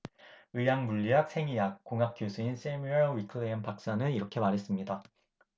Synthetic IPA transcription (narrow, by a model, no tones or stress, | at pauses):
ɯjaŋmuʎːiɦak̚sʰe̞ŋijak̚k͈ːoŋɦap̚k͈josʰuins͈ʰemiɭwikʰɯempak̚s͈anɯniɾʌkʰe̞maɾɦe̞s͈ɯmɲida